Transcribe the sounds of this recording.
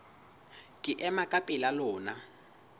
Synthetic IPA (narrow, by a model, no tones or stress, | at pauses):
kʼɪʔɛmakʼapʼɛlalɔːna